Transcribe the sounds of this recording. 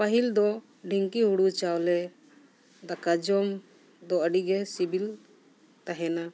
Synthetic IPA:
paɦild̪ɔ | ɖʱiŋkiɦuɽut͡ʃawlɛ | d̪akad͡ʒɔm | d̪ɔəɖiɡɛsibil | t̪aɦɛna

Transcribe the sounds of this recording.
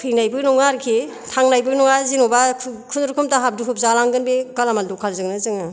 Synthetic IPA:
kʰɯjnajbɯknɔŋaɾkʰi | tʰaŋnajbɯknɔŋazinobakʰkʰunɾukʰɯmtaɦap̚duɦup̚zalaŋɡɯnbekalamaldukʰalzɯŋnɯzɯŋɯ

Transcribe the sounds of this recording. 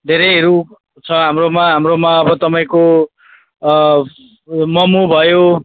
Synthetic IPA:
d̪ʱeɾʌɦeɾu | t͡sʰʌɦamromaɦamromaʌbʌt̪ʌpaĩko | mʌmubʱʌjo

